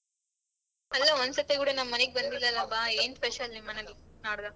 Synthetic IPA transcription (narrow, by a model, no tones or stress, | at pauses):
ɐlːɐʋɐnsɐt̪ːekuːɽɐnɐmːɐneɡebɐnd̪ilːɐlɐbaeːnpeʃɐlnimːɐnɐninaːɽd̪a